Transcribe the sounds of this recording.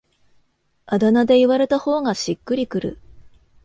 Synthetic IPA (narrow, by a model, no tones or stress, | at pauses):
ad̪anad̪e̞iβaɾe̞t̪aho̞ːŋaɕikːɯ̟ɾʲikɯ̟ɾɯ̟̰